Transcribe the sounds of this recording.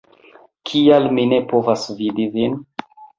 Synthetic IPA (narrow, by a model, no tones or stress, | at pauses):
kʰialmine̞po̞vasvidivin